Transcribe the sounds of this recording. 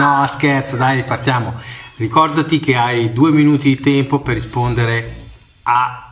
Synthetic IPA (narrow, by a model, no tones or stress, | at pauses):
nɔaskert̪sod̪ajpart̪jaːmorikɔrd̪at̪ik̟eajd̪uːeminuːt̪id̪it̪ɛmpoperːispond̪eɾe | a